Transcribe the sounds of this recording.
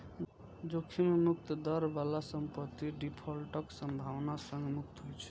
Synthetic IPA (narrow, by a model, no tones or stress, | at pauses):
d͡ʒokʰːimemuk̚t̪d̪əɾbalasəmpət̪ːiɖipʰɔlʈəksəmbʱawnasə̃ŋɡmuk̚t̪ɦojt͡ʃʰɛ̥